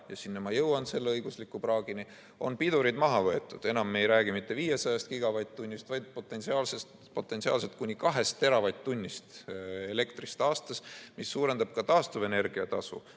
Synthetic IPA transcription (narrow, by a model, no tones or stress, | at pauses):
jɑsinːɑmɑjɤwɑnse̞lːeɤjɡ̥uslikːˑuprɑːɡ̥ini | o̞̰npid̪uɾid̪mɑɦɑvɤ̞e̞t̪ˑːud̪̥e̞nɑmːejɾæːɡimit̪ːe̞viːjesɑjɑst̪̚kiɡ̥ɑvɑjt̪̚t̪ːunʲːist̪vɑjd̪̥̚po̞t̪ːˑe̞nsiɑːlse̞st̪ | po̞t̪ːˑe̞nsiɑ̰ːlset̪̚kunʲːikɑɦe̞st̪ːe̞ɾɑvɑjt̪t̪ːunʲːist̪e̞le̞kt̪rist̪ɑːst̪ɑsmisːuːɾe̞nd̪ɑb̥̚kɑt̪ɑːst̪uve̞ne̞rɡ̥iɑt̪ɑsṵ